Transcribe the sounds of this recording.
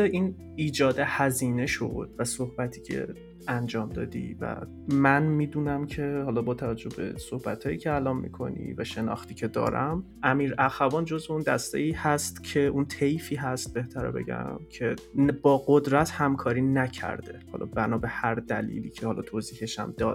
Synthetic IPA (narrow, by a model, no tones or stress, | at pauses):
eiːn | iːd͡ʒɒːd̪ehæziːne̞ʃo̰d̪̥væsohbæt̪ʰiːcʰe̞̰ | ænd͡ʒɒːmd̪ɒ̰ːd̪ḭvæ̰ | mænmiːd̪uːnæmcʰe̞hɒːlɒbɒːt̪ʰævæd͡ʒːo̞hbḛsohbæt̪ʰhɒːjiːcʰeælɒːmmḭkʰo̞̰nḭvæʃe̞nɒ̰ːxt̪iːcʰe̞d̪ɒ̰ːɾæm | ʔæmiːɾæxævɒːnd͡ʒo̞zveuːnd̪æst̪ḛiːhæst̪cʰe̞ʔunt̪ʰejfiːɦæst̪̚be̞ht̪ʰæɾo̰be̞̰ɟæ̰mcʰe̞bɒːɡɢo̞d̪ɾæt̪hæmkʰɒːɾiːnæcʰæ̰ɾd̪̥e̞̰hɒ̰ːlʔɒ̰bænɒːbe̞hæɾd̪ælḭːliːcʰehɒlɒ̰ːt̪ʰoːziːheʃæ̰md̪ɒːd̪